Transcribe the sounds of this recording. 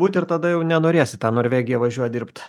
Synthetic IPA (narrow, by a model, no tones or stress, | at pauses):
uːt̪ʲɪɾt̪ɐd̪ɐjɛʊnʲɛnoːɾʲeːsʲɪt̪ɑːnoːɾʲʋʲeːɡʲɪjɛʋɐʒʲuɔjd̪ʲɪrpt̪